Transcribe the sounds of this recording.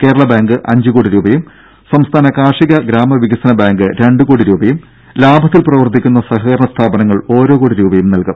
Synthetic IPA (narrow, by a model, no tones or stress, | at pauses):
ke̞ːɾɐɭɐbaːŋɡɨʔɐɲd͡ʑukoːɽiɾuːbɐjum | sɐmst̪ʰaːnɐkaːʂiɣɐɡɾaːmɐʋiɡɐsɐnɐbaːŋɡɨɾe̞ɳɖɨkoːɽiɾuːbɐjum | laːbʱɐt̪ːilprɐʋɐrt̪ʰːikʲːunːɐsɐɦɐkɐɾɐɳɐst̪ʰaːbɐnɐŋːɐɭo̞ːɾoːkoːɽiɾuːbɐjumnɐlkum